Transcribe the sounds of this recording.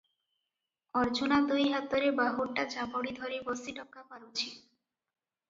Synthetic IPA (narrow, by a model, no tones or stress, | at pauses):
ɔɾd͡ʑunad̪ujɦat̪ːoɾebaɦoɾʈad͡ʑaboɽid̪ʱɔɾebɔsiʈɔkːapaɾut͡ɕʰi